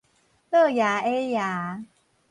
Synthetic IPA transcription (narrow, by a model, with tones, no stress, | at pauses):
lə˥˧˨ja˨˦e˦ja˨˦